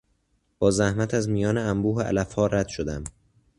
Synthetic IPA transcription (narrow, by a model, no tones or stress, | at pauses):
b̥ɒːzæhmæt̪ʰæzmijɒːneæmbuːɦeʔæ̰læfhɒːɾæd̪̥ʃod̪æm